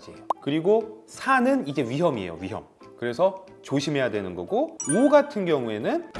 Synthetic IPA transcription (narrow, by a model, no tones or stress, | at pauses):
d͡ʑikɯɾiɡosʰanɯnid͡ʑe̞ɥiɦʌmiḛjo̰ɥiɦʌm | kɯɾe̞sʰʌ | t͡ɕoɕʰimɦe̞jadwenɯnɡʌɡooɡatʰɯnɡjʌŋue̞nɯn